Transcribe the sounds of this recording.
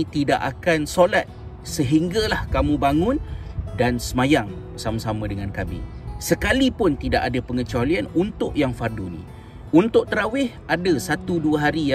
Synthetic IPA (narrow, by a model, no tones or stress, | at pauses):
t̪idaʔakansolat̪̚ | səɦiŋɡalahkamũbaŋʊ̃ndansəmajaŋ | samasamãdəŋankamḭsəkalipʊnt̪idaʔadapəŋət͡ʃalianunt̪ʊʔjaŋfardunḭ̃ | unt̪ʊʔt̪əɾawɪh | adasat̪uduəɦaɾija